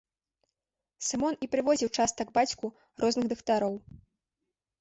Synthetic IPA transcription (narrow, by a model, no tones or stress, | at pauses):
sɨmɔnipɾɨvɔzʲiwt͡ʂast̪ɐɡbat͡sʲku | rɔznɨɣd̪ɨkt̪aɾɔw